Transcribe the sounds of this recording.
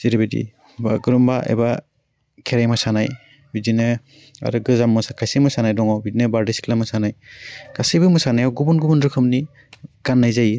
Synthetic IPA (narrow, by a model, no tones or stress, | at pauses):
z̥iɾɯbedḭ | baɡɯɾumbaʔḛba | kʰeɾajmasanaj | bidinɯ | a̰ɾɯɡɯzamːɯsakʰajsimɯsanajdɔŋawbidinɯbaɾdisi̥kʰlamɯsanajkasejbɯmɯsanajawɡubunɡubundɾɯkʰɯmni | ɡ̥anːajzaji